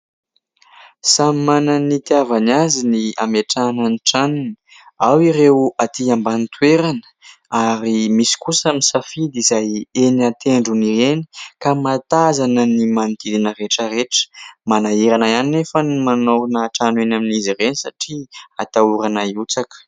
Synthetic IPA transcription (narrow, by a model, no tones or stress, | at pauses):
sammananit̪iavanazinia̰meʈ͡ʂanəniʈ͡ʂanun | awiɾewat̪iambanit̪weɾanə̥ | aɾimisi̥kusəmisafid̪izajenat̪eɳɖ͡ʐunieni̥kamat̪azanənimanit̪id̪inəreʈ͡ʂəɾeʈ͡ʂə̥manaiɾanaaninefənimanonaʈ͡ʂanenaminiziɾenisa̰ʈ͡ʂiat̪auɾanaiut͡sakə̥